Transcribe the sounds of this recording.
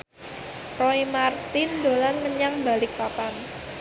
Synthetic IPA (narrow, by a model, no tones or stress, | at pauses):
roimart̪ɪnd̪olanməɲaŋba̤lɪk̚papan